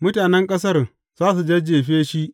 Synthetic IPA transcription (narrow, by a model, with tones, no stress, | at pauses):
mʊ˦taː˨nɛ˦ŋkʼɐ˦sɐ˦r | z̥aː˦s̬u˨d͡ʒɐ˦d͡ʒeː˨ɸeː˦ʃi˦ʔ